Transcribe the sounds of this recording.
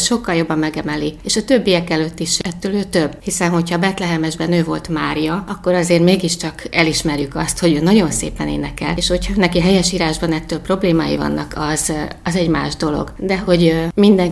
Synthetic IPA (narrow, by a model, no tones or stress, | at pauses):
ʃo̞kːɒljo̞bːɒmːɛɡɛmɛlieːʃɒt̪øbːiɛkɛløt̪ːiʃɛt̪ːøːløːt̪ø̞bːhisɛnɦo̞chɒbɛt̪lɛɦɛmɛʒbɛnøːvo̞lt̪maːɾijɒɒkːo̞ɾɒzeːrmeːɡiʃt͡ʃɒkɛliʃmɛrjykɒst̪ho̞ɟøːnɒɟo̞nsḛːpɛnḛːnɛkɛ̰leːʃho̞chɒnːɛkiɦɛjɛʃiːɾaːʒbɒnɛt̪ːøːlpro̞bleːmaːjḭvɒ̰nːɒ̰kʰɒz̥ɒzɛɟma̰ːʒd̪o̞lo̞̰ɡd̪ɛho̞ɟmind̪ɛŋ